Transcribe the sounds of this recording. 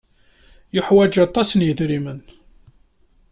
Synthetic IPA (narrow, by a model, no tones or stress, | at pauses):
jʊħwæd͡ʒɑt̪ˤːɑsnjiðɾimən